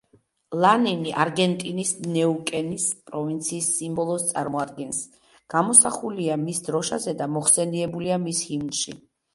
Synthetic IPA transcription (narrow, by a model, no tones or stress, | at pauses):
lˠaniniʔaɾɡɛnt̪ʼinisnɛukʼɛnispʼɾɔvint̪sʰiːsːimbɔlˠɔst̪sʼa̰ɾmɔad̪ɡɛns | ɡ̥amɔsaχuliamisd̪ɾɔʃazɛd̪amɔχsɛniɛbuliamishimnʃḭ